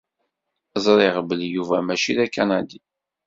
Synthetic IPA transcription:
zˤɾˤɪʁbəljuvæmæʃiðækːænæd̪i

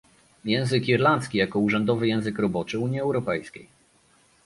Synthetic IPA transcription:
jɛ̃w̃zɘkiɾlant̪skʲijakɔuʐɛnd̪ɔvɘjɛ̃w̃zɘkɾɔbɔt͡ʂɘuɲiɛwɾɔpɛjskʲḛj

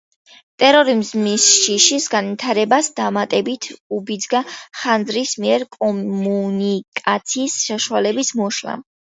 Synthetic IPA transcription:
t̪ʼɛɾɔɾimzmisʃiʃisɡanvit̪ʰaɾɛbasd̪amat̪ʼɛbit̪ʰubid̪zɡaχand̪zɾismiɛɾkʼɔmunikʼat̪sʰiːsʃaʃualɛbismɔʃla̰

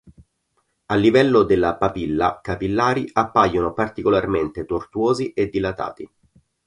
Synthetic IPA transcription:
alːivɛlːod̪elːapapilːa̰kapilːaːɾiʔapːajːonopart̪ikolarment̪et̪ort̪uoːziʔed̪ːilat̪a̰ːt̪i

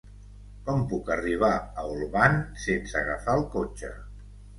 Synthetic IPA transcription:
kɔmpukəriβ̞aəulˠβansensəɣəfaəlˠkot͡ʃə

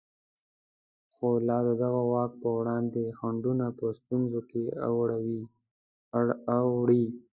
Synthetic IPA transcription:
xolɑd̪əd̪aɣawɑk̚pəwɽɑnd̪exaɳɖunapəst̪unzokea̰wɽawi | wɽi

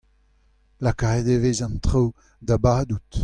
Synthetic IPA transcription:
lakaʁed̪evezãnt̪ʁow | d̪abaːd̪ut

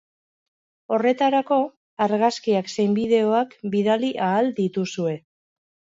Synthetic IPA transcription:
o̞re̞t̪aɾako̞ | aɾɣaskiakse̞jmbiðe̞o̞akbiðaliʔaːld̪it̪usue̞

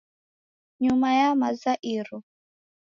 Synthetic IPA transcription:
ɲumajamazaʔiɾu

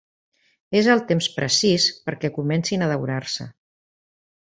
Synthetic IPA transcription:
ezəlˠt̪emspɾəsispəɾkɛkumɛnsinəðəwɾaɾsə̰

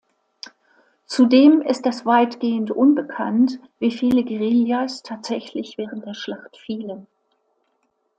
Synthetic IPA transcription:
t͡sudeːmɪstd̥asv̥aɪtɡ̥eːəntʔʊnbəkʰant | v̥iːfiːləɡeʁiljastʰaːtz̥ɛçlɪçv̥ɛːʁ̞ən̩t̚d̥eːɐʃlaχtfiːlən

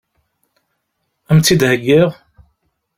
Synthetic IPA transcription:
æmt͡sːid̪həɡːiʁ

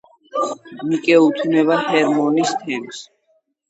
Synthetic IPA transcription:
mikʼɛut̪ʰnɛbahɛɾmɔnist̪ʰɛms

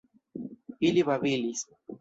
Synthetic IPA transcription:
iliβaβilis

